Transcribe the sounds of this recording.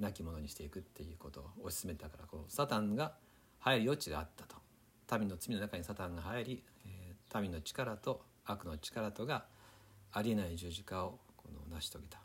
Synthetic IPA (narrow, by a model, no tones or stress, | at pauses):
nakʲimo̞no̞ɲiɕi̥t̪e̞ikɯ̟t̪ʰːe̞jɯ̟ːko̞t̪o̞ːɕi̥sɨme̞t̪akaɾa̰kosat̪ãŋɡa | haeɾʲijo̞t͡ɕiɡa̰ːt̪ːḁt̪o̥ | t̪amʲino̞t͡sɨmʲino̞nakaɲ̟isat̪ãŋɡaɦaiɾʲi | t̪amʲino̞t͡ɕi̥kaɾat̪o̞ | akɯ̟no̞t͡ɕi̥kaɾat̪o̞ɡaː | ɾʲie̞naiʑɨːʑikao̞kʰo̞no̰naɕi̥t̪o̞ɡet̪ḁ